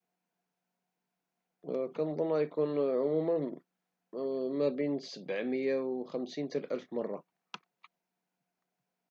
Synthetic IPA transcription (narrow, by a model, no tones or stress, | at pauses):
kænðˤənːæjkunʕʊmumən | mæbinsəbʕməjːawxəmsint̪əlʔælfmɑrˤːɑ